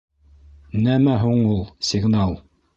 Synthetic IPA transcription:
næmæɦuɴulˠsʲɪɡnɑlˠ

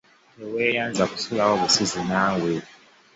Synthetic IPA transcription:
ɛwɛjand͡zʱaku̥sulawoβusizinaːwɛ

